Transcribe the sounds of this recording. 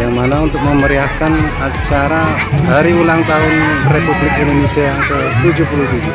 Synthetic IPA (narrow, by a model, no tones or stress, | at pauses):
jaŋmanaunt̪ʊk̚məməɾiakan | at͡ʃaɾa | ɦaɾiulaŋt̪aɦʊnrekublɪk̪̚enomiseant̪a | t̪ud͡ʒupulut̪ud͡ʒu